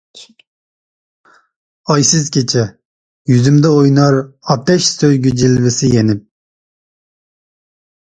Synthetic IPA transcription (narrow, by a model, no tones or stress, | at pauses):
ɑjsɪzkʲʰet͡ʃʰɛ | jyzymd̪ɛojnɑɾɑt̪ɛʃsøjɡʲyd͡ʒilvɪsɪjenɪp̚